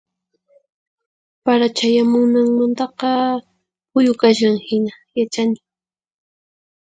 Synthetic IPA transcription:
paɾat͡ʃajamʊŋnaŋmant̪ɑqɑ | hʊjʊkaʃaŋhɪna | jat͡ʃanɪ

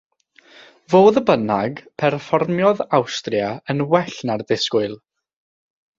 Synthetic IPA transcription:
voːðəbənaɡpʰɛrfɔrmjɔðawstrjaənwɛɬnardɪskʊɨlˠ

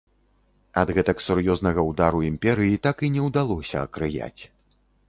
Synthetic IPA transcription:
ɐd̪ɣɛt̪ɐksurjɔznɐɣɐwd̪aɾuimpʲɛɾɨjit̪akinʲɛwd̪alˠɔsʲɐɐ̰kɾɨja̰t͡sʲ

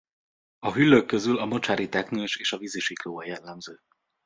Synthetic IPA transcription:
ɒɦylːøkːø̞zylɒmot͡ʃaːɾit̪ɛknøːʃeːʃɒviziʃikloːvɒjɛlːɛmzøː

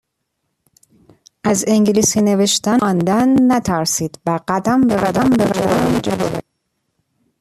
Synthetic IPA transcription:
ʔæzeŋɟliːsine̞veʃt̪ænd̪ænːæt̪ʰæɾsiːd̪̥væɢæd̪æmbebæd̪æmbevæd̪ænd͡ʒæbo̰bḛ

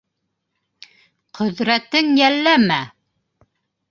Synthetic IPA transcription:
qʰɵ̆ðɾæt̪ɘŋjælːæmæ

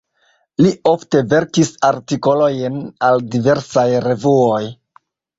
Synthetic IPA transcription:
liʔo̞fte̞ve̞ɾkisaɾtiko̞lo̞jnaldive̞ɾsajɾe̞vuoj

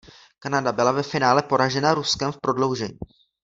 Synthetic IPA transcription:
kanadabɪlavɛfɪnaːlɛpo̞ɾaʒɛnaɾuskɛmfpɾo̞dlo̞wʒɛɲiː

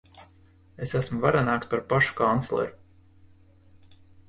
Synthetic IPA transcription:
esæsmuvaɾanaːkspaɾpaʃu̥kant̪slˠɛ̰ɾu

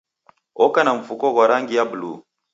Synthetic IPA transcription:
ɔkanaɱ̩fukɔɣaɾaŋɡijabulu

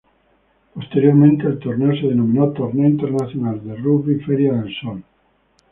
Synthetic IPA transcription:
post̪eɾjoɾmẽnt̪eːlt̪oɾneoseðenomĩnot̪oɾneoint̪eɾnaθjonald̪eruβiɱfeɾjaðelsol

